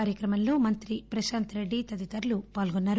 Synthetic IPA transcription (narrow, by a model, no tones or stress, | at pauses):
aːɾjɐkɾɐmɐmlo̞ːmɐnt̪ɾipɾɐʃaːnt̪ɾe̞ɖːit̪ɐd̪it̪ɐɾlupaːlɡonːaːɾ